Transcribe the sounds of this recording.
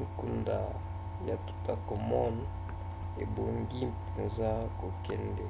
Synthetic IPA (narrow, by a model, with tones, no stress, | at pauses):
i˨ku˨nda̰˨ | ja˨tu̥˨ta˨ko˨mɔ˦n | ḛ˨bo˨ŋɡi˦pe˨za˦ko˨kɛ˦ndɛ˨